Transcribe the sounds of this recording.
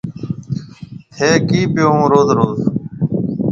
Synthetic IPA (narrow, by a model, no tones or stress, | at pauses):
t̪ʰeːkiːpɪjoːũːɾoːzɾoːz